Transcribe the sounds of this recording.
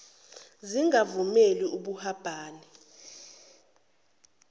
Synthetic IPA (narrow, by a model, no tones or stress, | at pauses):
ziŋavumeliuɓuhab̥ʱaːnɛ